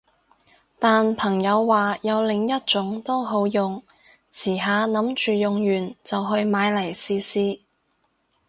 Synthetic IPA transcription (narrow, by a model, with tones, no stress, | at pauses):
t̪aː˨npʰɐ˨˩ŋjɐ˨˧wːaː˨jɐ˨˧wlɪ˨ŋjɐ˥t̚t͡ʃʊ˨˥ŋt̪o˥wɦo˨˥wjʊ˨ŋ | t͡sʰiː˨˩ɦaː˨˧nɐ˨˥mt͡ʃyː˨jʊ˨ŋjyː˨˩nt͡sɐ˨wɦɵ˧ɥmaː˨˧jlɐ˨˩jsiː˧siː˥